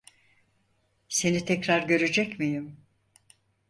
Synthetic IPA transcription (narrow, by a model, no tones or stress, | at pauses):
se̞nit̪ʰɛcɾaɾɟø̞ɾed͡ʒɛcmijim